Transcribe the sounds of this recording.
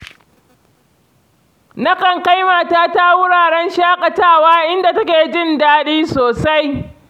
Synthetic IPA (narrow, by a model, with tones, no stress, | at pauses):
na˦kɐ˨ŋka˦jma˨taː˦ta˦wʊ˦ɽaː˨ɽɛ˦nʃaː˦kʼɐ˨taː˦˨waː˦ʔɪ˦nda˨tɐ˦kʲeː˨d͡ʒɪ˦ndaː˦ɗiː˦soː˨sa˦j